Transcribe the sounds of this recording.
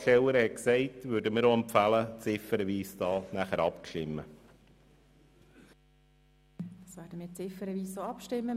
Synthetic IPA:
ʃɛwəɾhɛksɛɪtʋʉːɾdəmɪːɾoɛmpfælət͡sɪfːəɾəʋiːsd̥ɑːnæχəɾɑpkʃtɪmːə̰ | d̥ɑsʋæːɾdəmɪːt͡sɪfəɾəʋiːsoɑpʃtɪmːə

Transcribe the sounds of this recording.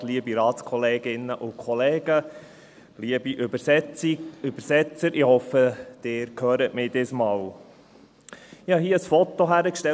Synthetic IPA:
liəbiɾɑːtskʰɔleːɡɪnːəʔʊkʰχɔleːɡ̥ə | liəbiʔøbəɾsɛt͡siøbəɾsɛt͡səɾɪhɔfəd̪̥ɪːɾkʰøːɾətmɪd̥ɪsmɑːl | ɪhɑɦiəəsfɔt̪oɦæɾəkʃtɛ

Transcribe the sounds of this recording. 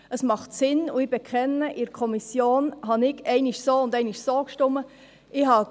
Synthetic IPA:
əsmɑχtsɪnuɪb̥ɛkʰχɛnːəʔɪɾkʰɔmisjoːnɦɑnɪɡɛɪnɪʃsoːʊnd̪ɛɪnɪʃsoːkʃtʊmːə | ɪɦɑ

